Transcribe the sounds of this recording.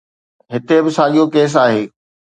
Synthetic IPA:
ɦɪt̪ebɪsaːɠijokeːs̬aːɦeː

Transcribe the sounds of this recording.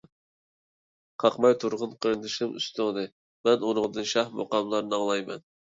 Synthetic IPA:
qʰɑqmɑjt̪ʰuɾʁʊnqʰəɾɨnd̪ɨʃɨmʔy̰st̪ʊŋd̪ɨ | mɛnuɾʊŋd̪ɨnʃɑhmo̰qɑmlˠɑɾnɨɑŋlˠɑjmɛ̰n

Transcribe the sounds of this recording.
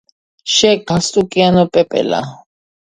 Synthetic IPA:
ʃɛɡ̥ast̪ʼukʼianɔpʼɛpʼɛ̰la̰

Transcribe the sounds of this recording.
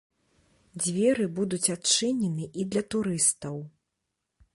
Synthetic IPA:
d͡zʲvʲɛɾɨbud̪ut͡sʲat͡ʂɨnʲɛnɨʔid̪lʲɐt̪uɾɨst̪ɐw

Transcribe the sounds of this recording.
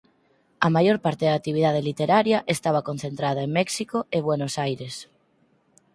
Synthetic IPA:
ɐmajoɾpaɾt̪eðak̚t̪iβ̞iðað̞elit̪eɾaɾjɐʔest̪aβɐkon̟θent̪ɾaðɐeŋmɛksikoeβwenosajɾes

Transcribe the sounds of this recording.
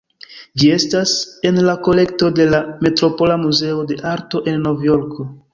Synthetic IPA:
d͡ʒie̞stase̞nlako̞le̞kto̞de̞lame̞tɾo̞po̞lamuze̞ode̞ʔaɾto̞ʔe̞nːo̞vjo̞ɾko̞

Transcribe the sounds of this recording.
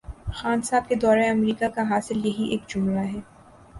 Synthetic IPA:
xaːnsaːb̚ked̪ɔːɾẽɐmɾiːkakaɦaːsɪljɐɦiʔeːkd͡ʒʊmɾaɦɛː

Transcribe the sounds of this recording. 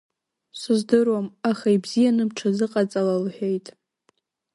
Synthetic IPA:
sɨzdɨrwamaχaibzijanɨmʈ͡ʂʰazɨqʼat͡sʼalalħᶣejtʼ

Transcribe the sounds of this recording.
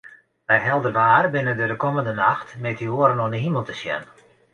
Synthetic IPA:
ʋɛjɦɛlˠdərʋaːrbɪnəndədəkɔməndənaxtmɛtioəɾənɔndəɦiməlˠtəsjɛ̰n

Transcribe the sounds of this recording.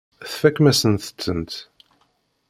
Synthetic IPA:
θfækːmæsənθə̥t͡sːənt̪

